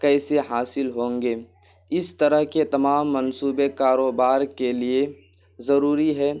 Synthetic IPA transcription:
kɛːseɦaːsɪlɦõːŋɡeː | ɪst̪əɾəɦket̪ɐmaːmːənsuːbekaːɾoːbaːɾkelie | zɐɾuːɾiɦɛː

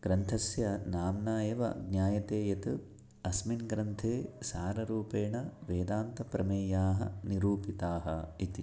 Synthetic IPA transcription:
ɡ̥ɾɐnt̪ʰɐsjɐnaːmnaːeːʋɐ̰ɡnjaːjɐt̪eːjɐt̪ɨ | ɐsminɡɾɐnt̪ʰeːsaːɾɐɾuːpeːɳɐʋeːd̪aːnt̪ɐpɾɐmeːjaːɦɐ̰niɾuːpit̪aːɦɐ̰it̪i

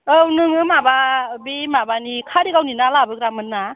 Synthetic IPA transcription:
ɯwnɯŋɯmababemabanikʰaɾiɡawninalabɯk̚ɾamɯnːa

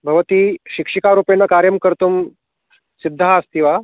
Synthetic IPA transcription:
bʱɐʋt̪iːɕikʂikaɾuːpenːakaɾjəmkəɾt̪um | sid̪ʱːaːst̪iʋa

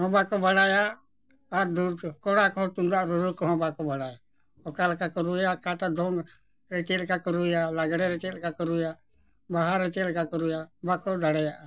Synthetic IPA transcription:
ɦɔ̃bakɔbʱəɽajaː | ɾd̪ukɔɽakɔt̪und̪aʔɾɔɾukɔɦɔ̃bakɔbʱəɽaja | ɔkalkakɔɾujakaʈ̪ad̪ʱɔŋɡ | ɾɛt͡ʃɛlkakɔɾujalaɡɽɛɾɛt͡ʃelkakɔɾuja | baɦaɾɛt͡ʃɛlkakɔɾujabakɔd̪aɽɛjaʔ

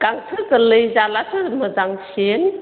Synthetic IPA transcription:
ɡ̥aŋtʰɯzəlɯjzalatʰɯmɯdaŋsen

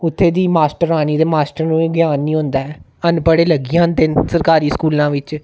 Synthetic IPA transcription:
ʊt̪ʰːeːd̪iːmaːsʈəɾaːñiːd̪eːmaːsʈəɾnũːɡjaːnːĩːɦʊ̃nd̪aːɛː | ənpəɽeːləɡijãːnt̪ẽːsəɾkaːɾiːskuːlãːʋɪt͡ʃ

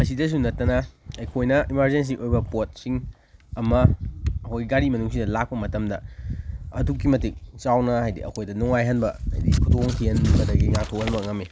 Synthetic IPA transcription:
mɐsidɐs̬unɐtːɐnɐɐjkʰojnɐimaɾzens̬iŋʔojbɐpot̚siŋ | ɐmɐːkʰojiɡaɾimɐnuŋsidɐlak̚pɐmɐtɐmdɐ | ɐdukːimɐtik̚t͡ʃawnɐɦajdḭɐ̰kʰojdɐnuŋajɦɐnbɐha̰jdikʰutoŋtʰihɐnbɐdɐɡiŋaktʰokhɐnmɐŋɐme

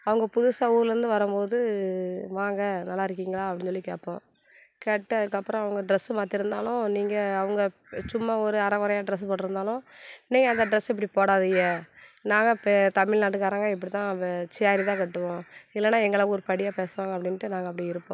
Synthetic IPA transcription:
ɐʋɐŋɡɐpʊðʊsaːuːɾɾɯnd̪ɯʋɐɾɯmpoːðɯ | ʋaːŋɡɐnɐlːaːɪɾɯk̬ːiːŋɡɐɭaːɐpːɐɽɪnsɔlːikeːʈpːõː | kɛʈːɐðɯkːɐpːɯɾɔ̃ɐʋɐŋɡɐɖɪɾɛsmaːt̪ɪɾɯnd̪aːlʊ̃niːŋɡɐːʋɐŋɡɐ | t͡ʃʊmːaɔɾɯɐɾɐʋɐɾɐjaːɖɾɛs̬pɐːʈːɪɾɯnd̪aːlʊ̃niːŋɡɐɐnd̪ɐɖɾɛsɛp̬ːɐɽipoːɽaːðɪjɐnaːŋɡɐpːt̪ɐmɪɭnaːʈ̬ːɯkːaːɾaːŋɡaɪp̬ːɐɽit̪ãːt͡ʃaːɾit̪ãːkɛʈːɯʋõːɪlːɛnːaːɛŋɡɐɭɐkːɔɾɯpɐɽɪjaːpeːsɯʋãːŋɡɐpːɐɽɪnʈːɯnaːŋɡɐpːɐɽiɪɾɯpːõ

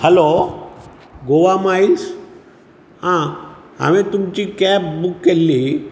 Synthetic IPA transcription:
həlo | ɡoʋamais | hã | a̰ʋĩt̪umt͡ɕikɛp̚bukːelːi

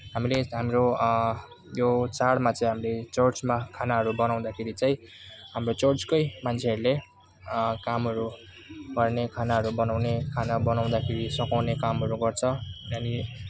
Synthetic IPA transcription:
ɦamileɦamiɾo | jot͡saɽmat͡saĩɦamilet͡sʌrt͡smakʰanaɦʌɾubʌnaw̃d̪akʰeɾit͡saĩ | ɦamrot͡sʌrt͡skʌjmant͡sʰeʌɾule | kamɦʌɾu | ɡ̥ʌrnekʰanaɦʌɾubʌnawnekʰanabʌnaw̃d̪akʰeɾisʌkawnekamɦʌɾuɡʌrt͡sʰʌani

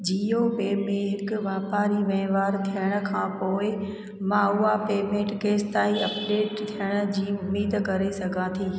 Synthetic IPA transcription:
d͡ʑiːoːpeːmẽɦɪkʊ̆ʋaːpaːɾiʋɛ̃ːʋaːɾt̪ʰijəɽ̃ə̆kʰãːpoːɪ | mãʊɦapeːmẽːʈkeːst̪aːiɐpɖeːʈt̪ʰijəɽ̃ə̆d͡ʑiːʊmiːd̪kɐɾesɐɡʱãt̪ʰiː

